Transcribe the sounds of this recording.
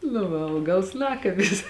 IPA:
nʊ ˈʋɐ ˈɐʊɡɐlˠs ˈnɑːkɐbʲɪs

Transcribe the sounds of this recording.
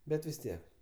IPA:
ˈbʲɛt ʋʲɪs ˈtʲiɛk

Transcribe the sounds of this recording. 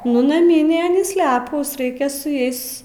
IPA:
nʊ nɐˈmʲiːnʲeː ɐˈnʲiːs ˈlʲæːpuːs ˈrɐɪkʲɛ sʊ ˈjɛɪs

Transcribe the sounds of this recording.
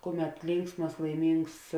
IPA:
ˈkʊˌmʲɛt ˈlʲɪŋksmɐs lˠɐɪˈmʲiːŋks

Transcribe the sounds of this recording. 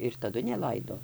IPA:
ɪr tɐˈdʊ nʲɛˈlˠɐɪdoː

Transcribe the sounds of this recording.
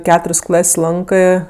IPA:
ˈkʲæːtʊrʲsʲ ˈklˠɐsʲ ˈlˠɐŋkɜ

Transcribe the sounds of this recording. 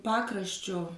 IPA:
ˈpɑːkrɐʃʲt͡ʃʲoː

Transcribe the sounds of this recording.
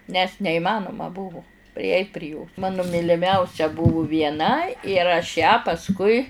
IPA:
nʲɛs nʲɛɪˈmɑːnʊmɐ ˈbʊʋʊ pʲrʲɪˈɛɪtʲ pʲrʲɪ joːs ˈmɑːnʊ mʲiːlʲɪˈmʲɛʊsʲɛ ˈbʊʋʊ ʋʲiɛˈnɐ ɪr ɐʃ jæː pɐsˈkʊɪ

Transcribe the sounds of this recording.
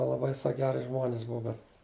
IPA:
lˠɐˈbɐɪ ˈsɐk ˈɡʲæːrʲɪ ʒmoːnʲsʲ ˈbʊɐ bʲɛt

